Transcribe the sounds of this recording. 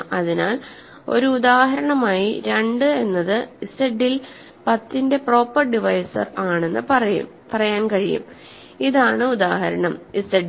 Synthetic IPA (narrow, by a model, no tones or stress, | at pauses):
ɐðinaːl | o̞ɾuːðaːɦɐɾɐɳɐmaːjiɾe̞ɳɖɨe̞nːɐðɨisteɖːil | pɐt̪ːinde̞pro̞ːpːɐrɖiʋɐjsɐ̰raːɳe̞nːɨpɐrɐjṵm | pɐrɐjaːnkɐɻijṵm | iðaːɳɨud̪aːhɐɾɐɳɐmiseɖ